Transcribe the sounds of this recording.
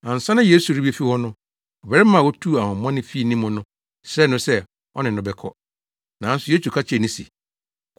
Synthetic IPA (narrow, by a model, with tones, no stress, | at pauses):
ã˨n̩˨sã˦nã˦je˦su˨ɾi˦bi˦e˦fi˦hɔ˦nʊ̃˦ | ɔ˨bɛ˨ɾɛ˦mã˨wɔ˦tʰu˦˨a˨hʊ̃˨m˦ã˦nɪ̃˦fi˦˨nĩ˦mʊ̃˨nʊ̃˦ | sɾɛ˦˨nʊ̃˦sɛ˦ | ɔ̰˦nɪ̃˨nʊ̃˦bɛ˦kʰɔ̰˦ | nã˨˦n̩˦sʊ˨˦je˦su˨kʰa˦t͡ɕʰɛ˨nɪ̃˦sḭ˨